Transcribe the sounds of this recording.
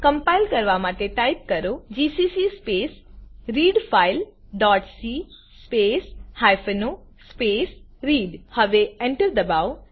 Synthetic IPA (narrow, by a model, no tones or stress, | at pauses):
kɐ̃mpaɪlkɐɾʋamaːʈ̪eʈajp̚kɐɾod͡ʒiːsiːsispeːsɾiːɖfʰaːɪlɖɔːʈsi | speːshajfəno | speːsɾiːɖhɐʋeẽɳʈəɾd̪ɐbaːo